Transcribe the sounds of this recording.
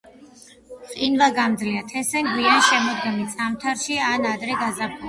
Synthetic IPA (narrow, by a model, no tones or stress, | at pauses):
qʼinvaɡamd̪zliat̪ʰɛsɛŋɡwianʃɛmɔd̪ɡɛmit̪sʼamt̪ʰaɾʃianad̪ɾɛɡazapʰu